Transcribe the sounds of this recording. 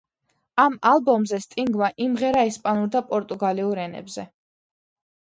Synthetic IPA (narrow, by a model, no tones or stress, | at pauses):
amalˠbɔmzɛst̪ʼiŋɡmaʔimʁɛɾaɛspʼanuɾd̪apʼɔɾt̪ʼuɡaliuɾɛnɛ̰bzɛ